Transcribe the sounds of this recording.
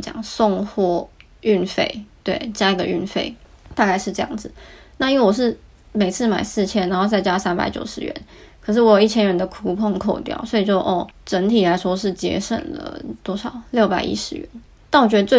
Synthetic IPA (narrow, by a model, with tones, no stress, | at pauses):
t͡ɕjɑ̰˨˩ŋsʊ˥˧ŋxwɔ˥˩ | y˥˩nfe˥˧˩ɪt̪we˥˩ɪt͡ɕja˥i˧ɡə˧y̰˥˧nfḛ˥˩ɪt̪a˥˧ka˥˧ɪʂɻ̩˥˧ʈ͡ʂɤ˥˧jɑ̰˥˩ŋd͡zɹ̩˩˦na˥˧i˥nwe˥˩wɔ˨˩ʂ̬ɻ̩˥˩ | me˨˩ɪt͡sʰɹ̩˥˩ma̰˨˩ɪsɹ̩˥˩t͡ɕʰjɛ˥na˧˥nxo˥˧ʊt͡sa˥˩ɪt͡ɕja˥sa˥npa̰˧˥ɪt͡ɕjo˨˩ʊʂɻ̩˧˥ɥɛ̰˧˦n | kʰɤ˨˩ʂ̬ɻ̩˥˩wɔ˧˥jo˨˩ʊi˥˩t͡ɕʰjɛ˥nɥɛ˧˥nd̪ə˨˧kʰu˧˥pʰo˥˧ŋkʰo˥˧ʊt̪jɑ̰˥˩ʊswɔ˧˥i˨˩t͡ɕjo˥˧ʊʔɔ˥˩ʈ͡ʂə˧˦˥nt̪ʰi˨˩la˧˥ɪʂwɔ˥ʂɻ̩˥˩t͡ɕjɛ̰˧˥ʂə̰˨˩nlə̰˩t̪wɔ˥ʂɑ˨˩ʊljo˥˩ʊpa˨˩ɪʔḭ˧˥ʂɻ̩˧˥ɥɛ̰˧˥n | na˥˩nwɔ˨˩t͡ɕɥɛ˧˥d̪ə˧t͡sw